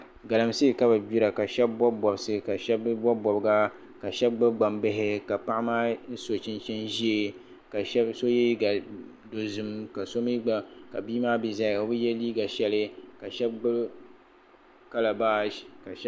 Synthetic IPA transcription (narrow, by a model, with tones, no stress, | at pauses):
ɡa˨lɨ˨msɨ˦˨ka˦ba˨bi˦ɾa˨ka˨ʃɛ˦bbɔ˦bɔ˨bsɨ˦ka˨ʃɛ˦bbɔ˦bɔ˨bɨ˦ɡa˦ | ka˨ʃɛ˦b̚ɡ͡bɨ˦ɡ͡ba˨mbɪ˦ɦɪ˦ka˨pa˦ʔɪ˦maː˦n̩˦so˨t͡ʃɪ˦nt͡ʃɪ˦nʒi˦e˨ | ka˨ʃɛ˦so˦jɛ˦i˦ɡa˨ | do˨zɨ˨m˦ka˨so˦mi˦ɡ͡ba˨ka̰˨biː˦maː˦bi˨za˦˨ɡa˨˦bɨ˦jɛ˦liː˦ɡa˨ʃɛ˦lɪ˦ka˨ʃɛ˦b̚ɡ͡bɨ˦ | ka˦la˨baː˦ka˨˦